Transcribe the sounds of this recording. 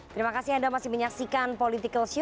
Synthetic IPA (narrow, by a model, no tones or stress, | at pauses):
t̪əɾimakasɪhandamasɪhməɲaksikanpolit̪ikəlsu